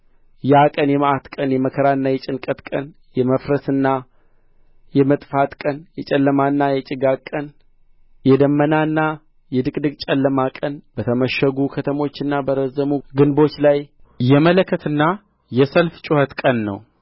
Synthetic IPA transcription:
jakʼənjɛmʔat̪kʼənjɛməkʰəɾaɨnːajɛt͡ʃʼɪnkʼət̪kʼən | jɛməfɾəsɨnːa | jɛmət̪ʼfat̪kʼənjɛt͡ʃʼɛlːəmanːajɛt͡ʃʼɪɡakʼːən | jɛd̪əmːənaɨnːa | jɛd̪ɨkʼd̪ɨɡt͡ʃʼɛlːəmakʼənb̥ət̪ʰəməʃəɡukʰət̪ʰəmo̞t͡ʃːɨnːabəɾəzəmuɡɨnbo̞t͡ʃːlajjɛmələkʰːət̪ɨnːa | jɛsəlft͡ʃʼʊhət̪kʼənːə̰w

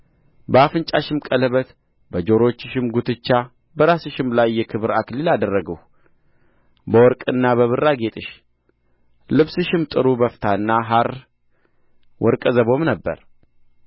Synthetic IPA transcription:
bəafɨnt͡ʃʼaʃɪmkʼələβət̪ | bəd͡ʒo̞ɾot͡ʃːɨʃɪmɡut̪ʰɨt͡ʃːa | bəɾasɨʃɪmlajːɛkʰɨβɨɾaklilad̪ərːəɡəw | bəwɔɾkʼɨnːaβəβɨrːaɡet̪ʼɨʃ | lɨβsɨʃɪmt̪ʼɨɾubəft̪ʰaɨnːaɦaɾ | wʔɔɾkʼəzəβo̞mnəbːə̰ɾ

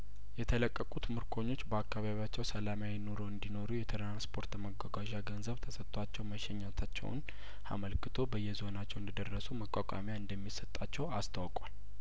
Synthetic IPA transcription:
jɛt̪ʰələkʼːəkʼut̪mɨɾkʰo̞ɲːo̞t͡ʃːbəakːaβaβijat͡ʃːɛwsəlamajɛno̞ɾo̞ɨnd̪ino̞ɾujɛt̪ʰɾanspʰo̞ɾt̪məɡʷaɡaʒaɡənzəβt̪ʰəsət̪ʼːwat͡ʃːɛwməʃɛɲːalt̪ʰat͡ʃːɛ̰wʊ̰n | a̰məlkʰɨt̪ʰo̞bəjːɛzo̞nat͡ʃːɛwɨnd̪əd̪ərːəsuməkʼakʷʼa̰mjaɨnd̪əmːisət̪ʼːat͡ʃːɛwast̪ʰawkʼwal

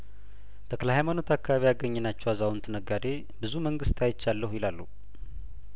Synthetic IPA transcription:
t̪ʰəkləɦajmano̞t̪ʰakːaβaβijaɡəɲːɛnat͡ʃːɛwazawunt̪ʰɨnəɡad̪e̞ | bɨzuməŋɡɨst̪ajɪt͡ʃːalːəhujɪlalːu

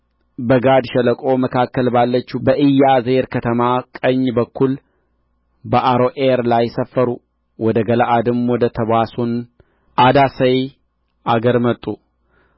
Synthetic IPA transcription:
bəɡad̪ʃɛləkʼo̞məkʰakːəlbalːət͡ʃːubəʔɨjːazeɾkʰət̪ʰəmakʼəɲːbəkːul | bəʔaɾoʔeɾlajːsəfːəɾu | wɔd̪əɡəlaʔad̪ɨmwɔd̪ət̪ʰəβasun | ʔad̪asəj | ʔaɡəɾmət̪ʼːu

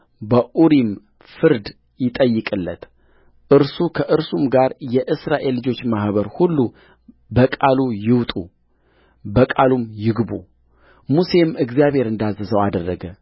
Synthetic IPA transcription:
bəʔuɾim | fɨɾd̪ | jɪt̪ʼəjːɨkʼɨlːət̪ | ʔɨɾsukʰəʔɨɾsumɡaɾjɛʔɨsɾaʔe̞lːɨd͡ʒo̞t͡ʃːmahβəɾhulːu | bəkʼalujɪwt̪ʼṵ | bəkʼalumjɪɡbṵ | muse̞mɨɡzjaβhe̞ɾɨnd̪azːəsəwad̪ərːəɡə

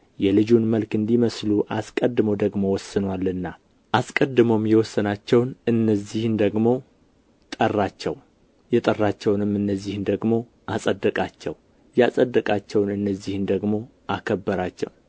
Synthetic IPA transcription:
jɛlɨd͡ʒunməlkɨnd̪iməsluʔaskʼəd̪ːɨmod̪əɡmo̞wɔsːɨnwalːɨnːa | ʔaskʼəd̪ɨmomjɛwɔsːənat͡ʃːɛwnɨnːəzːihɨnd̪əɡmo̞ | t̪ʼərːat͡ʃːɛ̰w | jɛt̪ʼərːat͡ʃːɛwnɨmːɨnːəzːihnd̪əɡmo̞ | ʔasʼəd̪ːəkʼat͡ʃːɛ̰w | jasʼəd̪ːəkʼat͡ʃːɛwnɨnːəzːihɨnd̪əɡmo̞ | ʔakʰəbːəɾat͡ʃːɛ̰w

